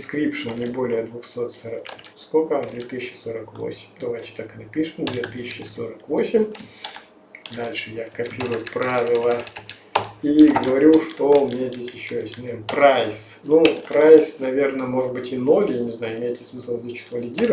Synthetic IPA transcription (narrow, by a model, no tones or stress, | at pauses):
skɾʲipʂɨnnʲɪbo̞lʲɪjəd̪vʊxso̞t̪sɐɾə | skokəd̪vʲet̪ɨsʲɪt͡ɕːɪ̥so̞ɾəkvo̰sʲɪ̥mʲd̪ɐvajtʲɪ̥t̪akɨnɐpʲiʂɨmd̪vʲet̪ɨsʲɪɕt͡ɕːɪso̞̰ɾəkvo̞sʲɪmʲ | d̪alʲʂɨjakɐpʲiɾʊjʊpɾavʲɪlˠə | iɡəvɐɾʲuʂt̪oʊmʲnʲezʲdʲesʲjɪɕːoɪsʲnʲampɾajsnupɾajsnɐvʲe̞rnəmo̞ʐɨd̪̚bɨtʲɪnolʲjanʲɪznajʊɪmʲejɪt̪lʲɪsmɨslˠzʲet͡ɕɪ̥t̪vəlʲɪdʲiɾə